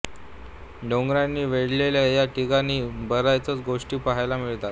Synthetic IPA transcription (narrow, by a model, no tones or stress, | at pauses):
ɖoŋɡɾjanːiːʋeɽ̤leljajaʈiɡaniːbəɾajt͡sət͡sɡoʂʈiːpaɦajlamiɭt̪at̪